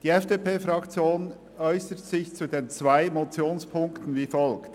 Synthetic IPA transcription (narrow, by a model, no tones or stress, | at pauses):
d̥iːɛfd̥eːpeːfɾɑkt͡sjoːn | ɔʏsətz̥ɪçt͡sudeːnt͡svaɪmot͡sjoːnspʰʊŋktn̩viːfɔlkt